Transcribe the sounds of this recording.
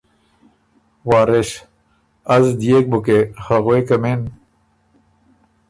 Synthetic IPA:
waːɾeɕ | ɐzd̪ijek̚bukehaɣwekɐmen

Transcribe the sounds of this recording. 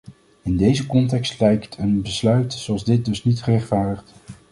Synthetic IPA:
ɪndejzəkɔntɛkstlɛjktʰənbəslœɥtsoɑlˠzdɪt̚dɵsnitχərɛχtfaːɹdəχt

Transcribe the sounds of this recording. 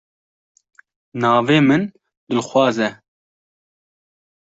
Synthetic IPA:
nɑːveːmɨn | d̪ɨlxʷwɑːzɛ

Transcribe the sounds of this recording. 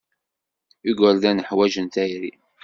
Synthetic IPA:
iɡəlðænəħwæʒənt̪æjɾḭ

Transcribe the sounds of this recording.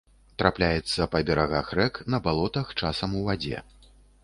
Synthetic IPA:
t̪ɾaplʲajɛt̪sːɐpɐbʲɛɾaɣaxrɛknɐbalˠɔt̪ɐxt͡ʂasɐmuvad͡zʲɛ̰

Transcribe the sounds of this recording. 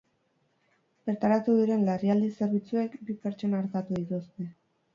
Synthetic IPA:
peɾt̪aɾat̪uðiɾe̞nlariald̪iseɾβit͡sue̞kbipeɾt͡ʃo̞naːɾt̪at̪uðit̪ust̪e̞

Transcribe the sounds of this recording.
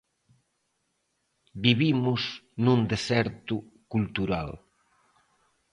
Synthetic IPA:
biβimʊznũnd̪esɛɾt̪ʊkult̪uɾa̰l

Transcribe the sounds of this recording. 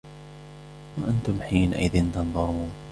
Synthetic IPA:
waʔant̪ʊmħiːnaʔɪðɪnt̪ɑnðˤɑmuːn

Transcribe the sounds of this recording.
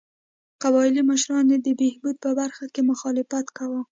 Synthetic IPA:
qabɑɪliməʃɾɑned̪əbehbud̪̚pəbaɾxakemʊxɑlɪfat̪kawə

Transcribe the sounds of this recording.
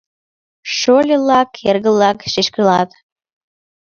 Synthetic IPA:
ʃolʲelɑkerɣəlːɑkʃiʃkəlɑt̪

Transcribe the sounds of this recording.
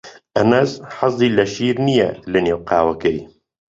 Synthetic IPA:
ʔɐnɐzħɑzˤd̪iːlɐʃiːɾnijɛ̰lɨneːwqaːwɐkɛj

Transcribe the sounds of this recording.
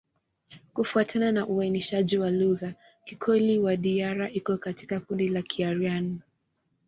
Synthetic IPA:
kufuatʰananaʔuainiʃaʄiwaluɣa | kikʰɔliwaɗiaɾaʔikɔkati̥kakundilakʰiaɾijani

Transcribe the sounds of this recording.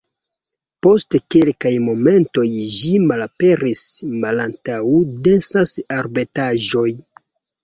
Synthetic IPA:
po̞stkelkajmo̞me̞nto̞jʒimalape̞ɾismalantawudensasaɾbetaʒo̞j

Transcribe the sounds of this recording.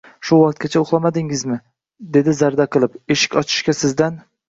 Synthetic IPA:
ʃʊwɑq̚t̪̚kʲat͡ʃʰaʊχlˠamad̪ɪŋɪzmɪ | d̪e̞d̪ɪzaɾd̪aqʰɨlˠɪpe̞ʃɪ̥kʲɒt͡ʃʰɪ̥ʃkʲasɪzd̪an

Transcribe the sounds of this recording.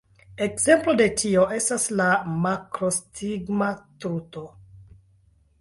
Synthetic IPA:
e̞kz̥e̞mplo̞de̞tʰio̞ʔe̞staslamakɾostʰiɡmatɾuto̞

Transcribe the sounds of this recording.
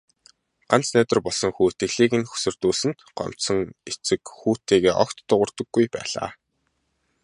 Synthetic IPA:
ɢ̥an̥t͡snæːt̪ə̆rpɔɮsɞ̆ŋxuːt̪ɘ̆ɣɮiːɣɘ̆nxɵ̥sɵ̆rt̪uːsɘ̆nt̪ɢɔ̰m̥sɞ̆ŋet͡sɘ̆kxuːt̪eːɣeːʔɔ̰kt̪ːʊʁə̆rt̪ə̆ɡːujpæ̰ːɮa̰ː

